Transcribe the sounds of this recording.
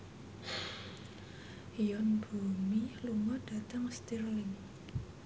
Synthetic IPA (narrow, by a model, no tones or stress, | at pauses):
hiɔnb̥o̤miluŋɔɖ̥ä̤t̪əŋst̪irlɪŋ